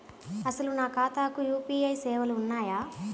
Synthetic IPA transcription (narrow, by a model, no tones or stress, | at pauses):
ɐsɐlunaːkaːt̪aːkujuːpiːɐjsɛːʋɐluːnːaːjaː